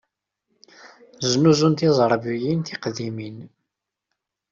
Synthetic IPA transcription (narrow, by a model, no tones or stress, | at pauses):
znuzunt̪izˤɾˤbijinθiqðimin